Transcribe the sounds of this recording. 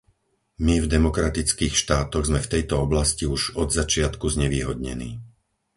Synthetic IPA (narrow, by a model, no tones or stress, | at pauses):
mivd̪ɛmɔkɾat̪it͡skiːxʃt̪aːt̪ɔɣzmɛft̪ɛjt̪ɔɔblasciuʒɔd̪zat͡ʃɪat̪kuzɲɛʋiːɦɔd̪ɲɛ̰nḭː